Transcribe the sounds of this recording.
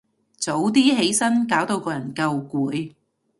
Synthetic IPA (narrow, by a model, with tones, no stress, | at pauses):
t͡so˨˥wt̪iː˥ɦe˨˥jsɐ˥nkaː˨˥wt̪o˧wkɔː˧jɐ˨˩nkɐ˧wkuː˨˥j